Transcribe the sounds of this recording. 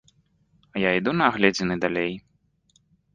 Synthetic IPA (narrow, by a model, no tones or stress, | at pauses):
ɐjaid̪unɐːɣlʲɛd͡zʲɪnɨd̪alʲej